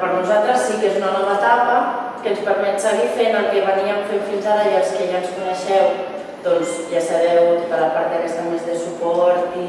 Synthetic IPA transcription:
pəɾnuzalˠt̪ɾəsːikezunanɔβəːt̪apə | kənspəɾmɛt̪səɣ̞ifenəlˠkeβəniəmfemfinzaɾəiəlˠskeʒanskunəʃɛw | ðɔnzʒasəβɛwt̪itaɾapaɾt̪̚ðəkɛst̪amezðəsupɔɾt̪i

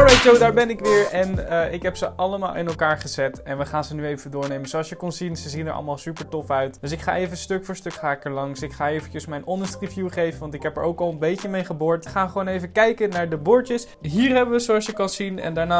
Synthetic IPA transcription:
ɹɛj̚d͡ʒowdaːɹbɛnɪkʋɪːɹɛnəʔɪkɦɛpsəʔɑləma̰ːlˠʔɪnɛlˠkaːɹχəzɛtɛnʋəχaːnzənyejvədʊːɹnejmənzoɑlˠsjəkɔnzinsəzinə̰ɹɑ̰lˠmaːlˠsypəɹtɔfœɥtdøs̬ɪkχa̰ːejvəstøkfʊːɹstøkχaːɪkɛɹlɑŋsɪkχaːejvəncəsmɛjnɔndəstrivjuχejvənʋɑntɪkɦɛpɛ̰ɹʔowkɑlˠənbejcəmejχəbʊːɹtχaːχəʋownejvəkɛjkənaːɹdəbʊɹtəs | ɦiːɹɦɛbənʋəzoɑlˠsjəkɑnzinɛ̰ndaːɹnaː

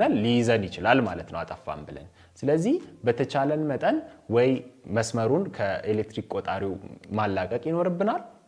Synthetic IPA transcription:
nalːizənjɪt͡ʃɪlalma̰lət̪nəwat̪ʼəfːa̰mbɨlə̰n | sɨləzːihbət̪ʰət͡ʃalənmət̪ʼənwɔjməsməɾunkʰəelek̚t̪ɾikkʼot̪ʼaɾiwmalːakʼəkʼjɪno̞ɾɨbːɨnal

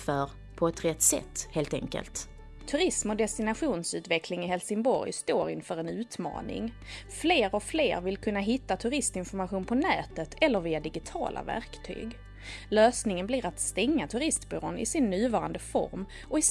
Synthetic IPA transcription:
fœɾ | pʰɔɛt̪ɾɛt̪ːsɛ̰t̪ːheːlt̪ɛ̰ŋkə̰lt̪ | t̪ʰɵɾɪsmɔd̪ɛst̪ɪnaɧuːnsʉ̟ːt̪vɛkʰlɪŋɪɦɛlsɪŋbɔ̰ɾjst̪oːɾɪnfœːɾɛnʉ̟ːt̪mɑ̰ːnɪ̰ŋ | fleːɾɔflḛːɾvɪlkʰɵnːaɦɪt̪ːat̪ʰɵɾɪst̪ɪnfɔɾmaɧuːnpʰɔnɛːt̪ət̪ʰɛlːəɾviːad̪ɪɡɪt̪ʰɑ̰ːlʔa̰væ̰ɾkt̪ʰy̰ːɡ | løːsnɪŋənblɪɾat̪st̪ɛŋːat̪ʰɵɾɪst̪bʏːɾoːnɪ̰sɪnːʉ̟ːvɑːɾand̪əfɔ̰ɾm | ʔɔɪ

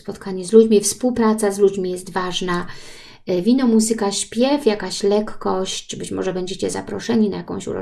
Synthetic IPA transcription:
spɔt̪kʰaɲɛzlud͡ʑmʲifspuwpɾat̪sazlud͡ʑmʲijɛst̪vaʐna | vʲinɔmuzɘkaɕpʲjɛfjakaɕlɛkːɔɕt͡ɕbɘt͡ɕmɔʐɛbɛɲd͡ʑet͡ɕɛza̰pɾɔʂɛɲina̰jakɔ̃w̃ɕṵɾɔ̰

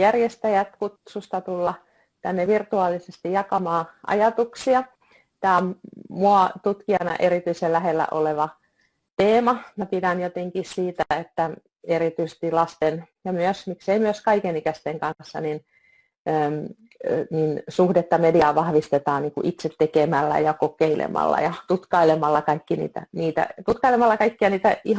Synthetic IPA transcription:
jærjest̪æjæt̪kut̪sust̪ɑt̪ulːɑ | t̪ænːeʋirt̪uɑːlːˑisest̪ijɑkɑmɑːʔɑ̰jɑt̪uksiɑ | t̪æːommuɑt̪ut̪kiɑnɑ̰ʔeɾit̪yiselæhelːæ̰ʔo̰leʋɑ | t̪eːmɑmæpidænjot̪eŋkissiːt̪æet̪ːæ | erit̪yise̥st̪ilɑst̪enjɑmyøsmikseimyøskɑikenikæst̪eŋkɑsːɑ̰nin | əːm | ninsuhdet̪ːɑmediɑːʋɑhʋist̪et̪ɑːnniːŋkṵʔit̪set̪tekemælːæ̰jɑkokeilḛmɑ̰lːɑ̰jɑt̪ut̪kɑilemɑlːɑkɑikːinḭːt̪æ̰niːt̪æ̰t̪ut̪kɑilemɑlːɑkɑikːiɑniːt̪æih

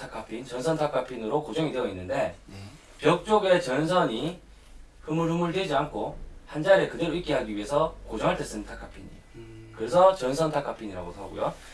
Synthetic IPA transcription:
tʰakʰapʰint͡ɕʌnsʰʌntʰakʰapʰinɯɾokod͡ʑʌŋidweʌinːɯnde̞ | pjʌk̚t͡ɕ͈oɡe̞t͡ɕʌns̬ʰʌɲi | hɯmɯɭhɯmɯɭdweid͡ʑiankʰohand͡ʑaɾe̞kɯdɯɾik͈iɦaɡiɥiɦe̞sʰʌkod͡ʑʌŋɦaɭt͈es͈ɯntʰakʰapʰiɲḭ | kɯɾe̞sʰʌt͡ɕʌnsʰʌntʰakʰapʰiɲiɾa̰ɡodoɦa̰ɡo̰jo

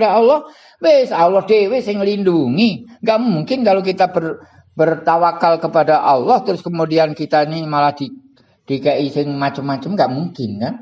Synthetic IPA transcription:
daɑlːɔh | wesalːɔhdewesɪŋəlinduŋiŋɡaʔmuŋkɪnkalok̬it̪abər | bərt̪awakalkəpadaʔɑlːɔht̪əɾʊskəmudiankit̪ainimalahd̥i | d̥ikaʔisɪŋmat͡ʃəmːat͡ʃəmŋɡaʔmuŋkɪnkan

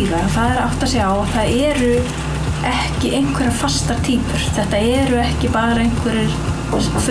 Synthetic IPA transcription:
iɣaɾɔθaðɛɾa̰wht̪asjɛawaθaðɛːɾʏ | ɛhcɪʔejŋ̥kʰvɛɾaɾ̥fast̪at̪ʰiːpʏɾ̥θɛht̪aɛɾʏɛhcɪpaːɾaejŋ̥kʰvɛɾɪɾ̥ | f

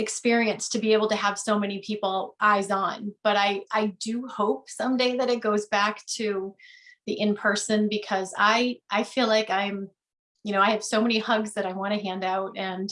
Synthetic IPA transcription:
ɨkspɪɹiɨ̃nstʰɨbieɪbl̩ˠtɨəv̥soʊmɛnipʰipl̩ˠʔaɪzn̩b̥ʌɾaɪʔaɪdɨhoʊp̚sʌ̃mdeɪðɨɾɨt̚ɡ̥oʊzbæktʰɨ | ðiʔɨ̃npʰɜ˞sɨ̃nbɨkʰʌza̰ɪʔaɪfilaɪkãɪ̃m | jɨñoʊaɪɨv̥soʊmɛnihʌɡzðɨɾaɪwɑ̃ñɨɦæ̃ndaʊt̚ɨ̃n

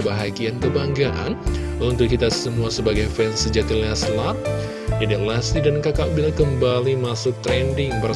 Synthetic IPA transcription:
baɦaɡiankəbaŋɡaʔa̰n | unt̪ʊkːit̪asəmuasəbaɡajfɛnsəd͡ʒat̪ilaslat̪̚ | d͡ʒadilasidankakaʔbilakəmbalimasʊk̚t̪ɾɛndɪŋbə

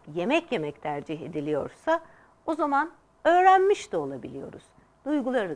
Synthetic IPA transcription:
je̞mɛcje̞mɛct̪ʰæɾd͡ʒiɦe̞̰d̪ilʲijo̞̰ɾsa | ozaman | ø̞ːɾænmiʃt̪ʰio̞lˠabilʲijo̞̰ɾuz̥ | d̪̥ujɡulˠaɾɯ

